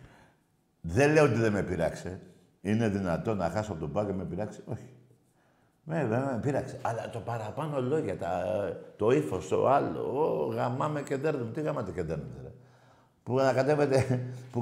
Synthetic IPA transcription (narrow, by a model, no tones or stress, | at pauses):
ðeleot̪iðe̞me̞piɾɐkse̞ | ine̞ðinɐt̪o̞nɐxɐsoɐpo̞t̪obɐcemepiɾɐkse̥o̞çi̥ | meeepiɾɐkse̥ʔɐlɐt̪o̞pɐɾɐpɐno̞lo̞ʝɐt̪ɐt̪o̞ifo̞st̪o̞̰ɐlo̰oɣɐmɐmece̞nd̪eɾnumut̪iɣɐmɐt̪ecend̪eɾnut̪elɐ | puɐnɐkat̪e̞ve̞t̪e̞pu